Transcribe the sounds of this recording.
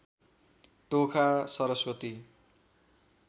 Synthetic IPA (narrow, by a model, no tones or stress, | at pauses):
t̪okʰasʌɾʌswʌt̪i